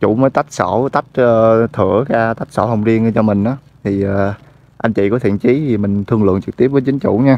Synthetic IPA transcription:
t͡ɕṵ˧˩məː˨˦jt̪a˦˥jk̚sɔ̰˧˩t̪a˦˥k̚əː˨˧t̪ʰɨ̰˧˩əkaː˧t̪a˦˥jk̚sɔ̰˧˥hə˧wŋ͡mzi˧ənː˧˩t͡ɕɔ˧mï˨˩ŋ̟ʔaː˨˦ | t̪ʰi˨˩əː˨˩ | ʔa˧ŋ̟t͡ɕḭ˧˨kɔ˨˦t̪ʰḭ˧˨ənt͡ɕi˨˦i˨˩mï˨˩ŋ̟t̪ʰɨ˧əŋlɨ̰˧˨əŋt͡ɕɨ˨˩k̚t̪i˦˥əp̚vəː˨˦jt͡ɕï˨˦ŋ̟t͡ɕṵ˧˩ɲaː˧

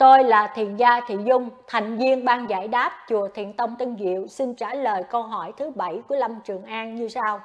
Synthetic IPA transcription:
t̪o˧jlaː˨˩t̪ʰḭ˧˨ənzaː˧t̪ʰḭ˧˨zʊ˧ŋ͡mt̪ʰa˨˩jŋ̟vi˧ənɓaː˧ŋza̰ː˧˩jɗaː˦˥p̚t͡ɕu˨˩ət̪ʰḭ˧˨ənt̪ə˧wŋ͡mt̪i˧nɣḭ˧˨əwsi˧nt͡ɕaː˧˩ləː˨˩jkə˧wɦɔ˧˩jt̪ʰɨ˨˦ɓa˧˩jku˧˩əla˧mt͡ɕɨ˨˩əŋʔaː˧nɲɨ˧saː˧w

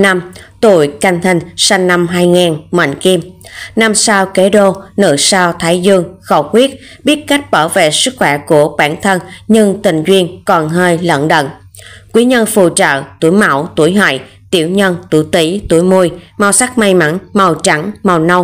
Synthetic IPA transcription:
na˧mt̪ṵ˧˩jka˧jŋ̟t̪ʰï˧˩ŋ̟sa˧ŋ̟ːa˧mɦaː˧jŋaː˨˩nmə̰˧˨jŋki˧mna˧msaː˧wke˨˦ɗo˧nɨ̰˧˩saː˧wt̪ʰaː˨˦jzɨ˧əŋxə˧˩wxwi˦˥ət̚ | ɓi˦˥ət̚ka˦˥jk̟̚ɓəː˧˩wvḛ˧˨sɨ˦˥k̚xwɛ˧˩ku˧˩əɓaː˧˩nt̪ʰə˧nɲɨ˧ŋt̪ï˨˩ŋ̟zwi˧ənkɔ˨˩nɦəː˧jlə̰˧˨nɗə̰˧˨n | kwi˨˦ɲə˧nfṵ˧˨˩t͡ɕə̰ː˧˨t̪u˧˩əjma˧˩wt̪u˧˩əjɦa̰˧˨j | t̪i˧˩əwɲə˧nt̪ṵ˧˩t̪i˨˦t̪u˧˩əjmu˧jma˧wsa˦˥k̚ma˧jma˨˦nma˨˩wt͡ɕa˧˦˥ŋma˨˩wnə˧w

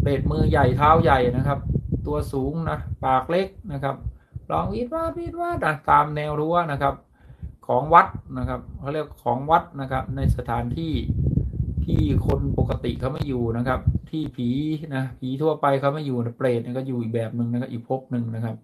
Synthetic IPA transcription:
pleː˨˩t̪̚mɯː˧ja˨˩jt̪ʰaː˦˥˩wja˨˩jna˦˥kʰa˦˥p̚t̪u˧ɐsuː˩˦ŋna˦˥paː˨˩k̚le˦˥˩k̚na˦˥kʰa˦˥p̚lɔː˧ŋwi˦˥˩t̪̚waː˥˩t̪̚wi˦˥˩t̪̚waː˥˩t̪ʔa˧˩t̪aː˧mnɛː˧wɾu˦˥ɐna˦˥kʰa˦˥p̚ | kʰɔː˩˦ŋwa˦˥t̪̚na˦˥kʰa˦˥p̚kʰa˥˩˨li˥˩ə˩kkʰɔː˩˦ŋwa˦˥t̪̚na˦˥kʰa˦˥p̚na˧jsa˧t̪ʰaː˩˦nt̪ʰiː˥˩ | t̪ʰiː˥˩kʰo˧npo˨˩kːa˧t̪ḭ˨˩kʰa˥˩wma˥˩jːuː˨˩na˦˥kʰa˦˥p̚t̪ʰiː˥˩pʰiː˩˦na˦˥pʰiː˩˦t̪ʰu˥˩ɐpa˧jkʰa˥˩wma˥˩jːuː˨˩na˥˩pleː˨˩t̪̚na˧˩kɔː˥˩juː˨˩ʔiː˨˩k̚bɛː˨˩p̚nɯ˧ŋna˦˥kʰa˦˥pʔiː˨˩k̚pʰo˦˥p̚nɯ˧ŋna˦˥kʰa˦˥p̚

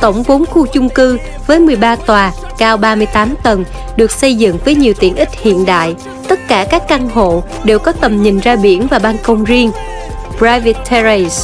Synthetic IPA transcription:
t̪ə˧˩wŋ͡mɓo˨˦nxu˧t͡ɕʊ˧ŋ͡mkɨ˧ | vəː˨˦jmɨ˨˩əjɓaː˧t̪waː˨˩ | kaː˧wɓaː˧mɨ˧jt̪aː˨˦mt̪wə˨˩n | ɗɨ˨˩ək̚sə˧jzɨ̰˧˨ŋvəː˨˦jɲi˨˩əwt̪ḭ˧˩ənʔï˦˥t̚hḭ˧˨ənɗa̰ː˧˨j | t̪ə˦˥t̚kaː˧˩kaː˦˥k̚ʔa˧nɦo̰˧˨ | ɗe˨˩wkɔ˨˦t̪ə˨˩mɲï˨˩ŋ̟zaː˧ɓi˧˩ənvaː˨˩ɓaː˧nkə˧wŋ͡mzi˧əŋ | pzaː˧vi˨˧˩t̚t̪ʰːa˧ze˧s

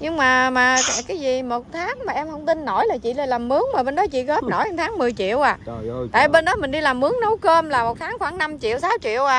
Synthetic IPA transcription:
ɲɨ˧ŋmaː˨˩maː˨˩kaː˧˩kaː˨˦jzi˨˩mo˨˩t̚t̪ʰaː˨˦ŋmaː˨˩ʔɛ˧mhə˧wŋ͡mt̪i˧nːo˧˩jlaː˨˩t͡ɕḭ˧˨laː˨˩laː˨˩mːɨ˨˦əŋmaː˨˩ɓe˧nɗɔ˨˦t͡ɕḭ˧˨ɣə˦˥p̚no˧˩jʔŋt̪ʰaː˨˦ŋmɨ˨˩əjt͡ɕḭ˧˨əwʔaː˨˩t̪a̰ː˧˨˧ɓe˧nɗɔ˨˦mï˨˩ŋ̟ɗi˧laː˨˩mʔɨ˨˦əŋnə˨˦wkəː˧mlaː˨˩mo˨˩t̚t̪ʰːŋxwaː˧˩ŋna˧mt͡ɕḭ˧˨əwsaː˨˦wt͡ɕḭ˧˨əwʔaː˨˩

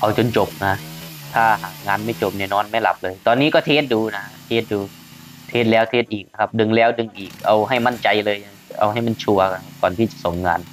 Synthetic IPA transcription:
ʔa˧wt͡ɕo˧nt͡ɕo˨˩p̚ŋaː˧t̪ʰaː˧˥˩ɦaː˨˩˦k̚ŋaː˧nma˥˩jt͡ɕo˨˩p̚nɛː˧˩nɔː˧˥˩nma˥˩˨jla̰˨˦p̚lɤː˧jt̪ɔː˧nːiː˦˥kɔː˥˩t̪ʰeː˦˥t̪̚duː˧na˦˧a˧˥t̪ʰeː˧˥˩t̪̚duː˧ | t̪ʰeː˦˥t̪̚lɛː˦˥wt̪ʰeː˧˥t̪̚ʔiː˨˩k̚na˦˧kʰa˦˥p̚dɯ˧ŋlɛː˦˥˩wdɯ˧ŋʔiː˨˩k̚ʔa˧wɦa˥˩jma˧˥˨nt͡ɕa˧jlɤː˧ja˧ʔa̰˧wha˥˩jma˧˥˩nt͡ɕʰu˧ɐk̚kɔː˨˩nt̪ʰiː˥˩t͡ɕḁ˨˩ʔso˨˩˦ŋŋaː˧n

